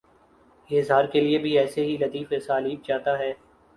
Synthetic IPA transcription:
ɪɦzɦaːɾkeliebʱiɛːseɦilɐt̪iːfesaːliːb̚t͡ʃaːt̪aɦɛː

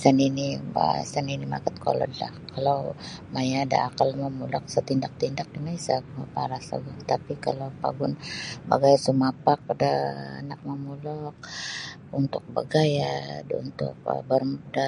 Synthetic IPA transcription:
saninḭsaninima̰kət̪̚kʰo̰lɔ̰dla̰hkʰalawmajada̰ːkalməmulɔk̚sət̪indak̚t̪indak̚dəŋaisaɡapaɾasa̰ɡaŋt̪apikalawpa̰ɡʊnba̰ɡajsumapak̚daa̰nak̚məmulɔk̚ | unt̪ʊk̚ba̰ɡajaṵnt̪ʊ̰k̚bərda

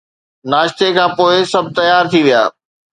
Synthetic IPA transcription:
naːʃt̪ekʰãːpoːɪsɐb̚ʱt̪ɐjaːɾt̪ʰiʋija̰ː

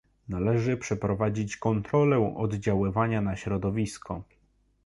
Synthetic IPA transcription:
nalɛʐɘpʂɛpɾɔvad͡ʑit͡ɕkɔnt̪ɾɔlɛ̃ʔɔ̰d̪d͡ʑawɘvaɲanaɕɾɔd̪ɔvʲiskʰɔ

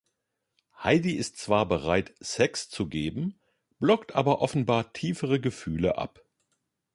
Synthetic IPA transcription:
haɪdiɪstt͡sv̥aːɐbəʁaɪtsɛkst͡suɡeːbm̩ | b̥lɔktʔaːbɐʔɔfn̩baːɐtʰiːfəʁəɡəfyːləʔa̰p

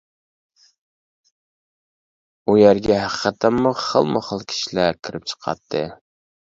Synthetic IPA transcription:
ujæɾɡʲɛɦæqʰə̥qʰət̪ʰːæmːuχə̰lˠmʊχəlˠkʲʰi̥ʃilækʲʰiɾɪp̚t͡ʃʰə̥qʰɑ̰t̪ʰːɨ

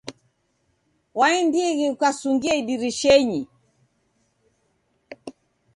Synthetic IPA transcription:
waɛndiɣiukasuŋɡiaidiɾiʃɛɲi

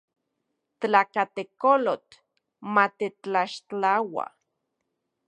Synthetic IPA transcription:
t̪lakat̪ekolot̪ | mat̪et͡ɬaʃt͡ɬawa̰

